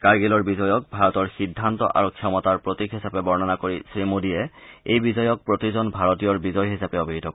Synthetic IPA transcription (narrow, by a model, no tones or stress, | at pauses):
kaɹɡelɔɹbizɔjɔk̚bʱaɹɔtɔɹxidʱːantɔ̰ʔa̰ɹukʰːɔmɔtaɹpɹotikɦisapɛbɔɹnanakoɹisɹimodijɛejbizɔjɔk̚pɹotizɔnbʱaɹɔtijɔɹbizɔjɦisapɛobʱiɦitɔkɔ